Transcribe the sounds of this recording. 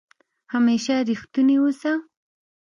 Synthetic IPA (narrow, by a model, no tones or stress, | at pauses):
hameːʃaɾɪxt̪ʊniwʊsa